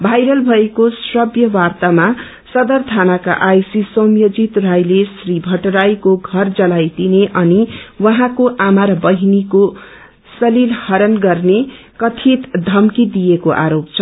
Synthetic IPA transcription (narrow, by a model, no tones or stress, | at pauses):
bʱajɾʌlbʱʌekosrʌbjʌwart̪ama | sʌd̪ʌrt̪ʰanaka̰ʔajsisʌmjod͡zit̪rajlesribʱʌʈɾajkoɡʱʌrd͡zʌlajd̪ineʔʌniwʌɦãkoʔamaɾbʌɦiniko | sʌlilhʌɾʌnɡʌrne | kʌt̪ʰit̪d̪ʱʌmkid̪ijekoʔa̰ɾopt͡sʰʌ